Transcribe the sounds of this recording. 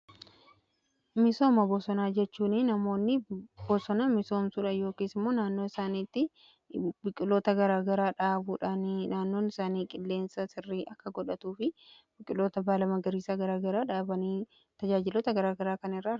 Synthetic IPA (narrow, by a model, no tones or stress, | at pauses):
mɪso̞ːmɐbɔsɔnaːd͡ʒɛt͡ʃːuːnɪnɐmo̞ːnːɪbɔsɔnɐmɪso̞ːmsuːᶑɐjo̞ːkeːsɪmːoːnaːnːoːɪsaːniːt̪ːɪ | bɪkʼɪlːo̞ːt̪ɐɡɐɾaːɡɐɾaːᶑaːbuːᶑaːnnaːnːo̞ːnɪsaːniːkʼɪlːe̞ːnsɐsɪrːiːʔɐkːɐɡɔᶑɐt̪uːfɪbɪkʼɪlːo̞ːt̪ɐbaːlɐmɐɡɐɾiːsaːɡɐɾaːɡɐɾaːᶑaːbɐniː | t̪ɐd͡ʒaːd͡ʒɪloːt̪ɐɡɐɾaːɡɐɾaːkɐnɪrːa